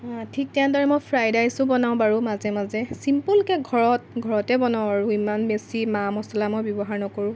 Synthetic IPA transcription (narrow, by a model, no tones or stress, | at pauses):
tʰik̚tɛãdɔɹɛmɔjpʰɹajdajsʊbɔnaʊ̃baɹumazɛmazɛsimpulkɛɡʱɔɹɔt̚ɡʱɔɹɔtɛbɔnaw̃baɹuimanbesimamɔsɔlamɔjbjɔbɔɦaɹnɔkoɹʊ̃